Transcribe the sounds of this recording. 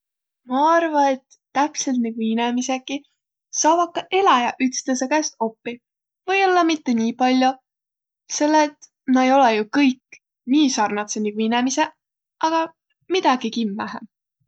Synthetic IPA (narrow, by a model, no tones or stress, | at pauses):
mɑɑrvɑe̞t̪ːæpse̞lt̪̚niɡuinemise̞kːi | sɑːvɑkːɑʔe̞lɑjɑʔyt̪st̪es̬ekæst̪̚o̞pːi | vɤjolːɑmit̪ːe̞niːpɑlʲjo | se̞lːet̪ | mɑejo̞lejukɤjkː | niːsɑrnɑt̪seniɡuinemise̞ | ʔɑɡ̥ɑ | mid̪̥ɑɡ̥ikimːæɦæ